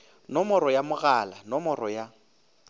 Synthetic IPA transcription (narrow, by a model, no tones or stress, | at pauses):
nɔmɔɾɔjamʊɣaːlanɔmɔrɔja